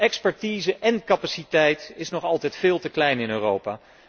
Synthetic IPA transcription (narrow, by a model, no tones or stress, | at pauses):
ɛkspɛɹtiːzəʔɛnkɑpasitɛjtɪsnɔχɑlˠtɛjtfɪːlˠtəklɛjnɪnøːrowpaː